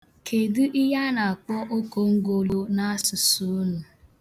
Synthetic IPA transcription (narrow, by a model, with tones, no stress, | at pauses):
kʰe˨dɨ˦ʔi˦ɦa˦na˨a˨kɔ˦ʔo˦ko˨ŋ̩˦ɡo˦lo˦na˦a˦sʊ˨su˨˦nu˨